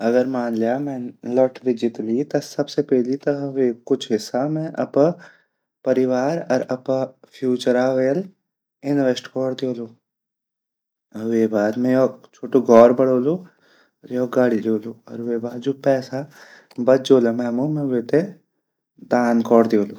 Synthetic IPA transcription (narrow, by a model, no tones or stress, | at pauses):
ɐɡəɾmaːnlejaːmɛ̃lɔʈɾɪd͡ʒɪʈlit̪ɐsɐbsepɛɦlit̪ɐɦʋekʊt͡ʃʰɦɪsamɛ̃ʔɐ̰p | pɐɾɪʋaːɾɐɾɐpfʰjuːt͡ʃəɾaːʋeːl | ɪnʋesʈkɔːɽd̪joːloː | ɐʋebaːd̪mɛ̃jot͡ʃʰoːʈoɡɔːɾbɐɽ̤oːloː | ɔːɾjɔɦɡaːɽid͡ʒoːloːɔ̰ːɾʋeːbaːd̪d͡ʒoːpɛːsa | bɐt̪d͡ʒoːlamɛːmõmɛ̃ʋeːt̪e | d̪aːnkɔːɽd̪joːloː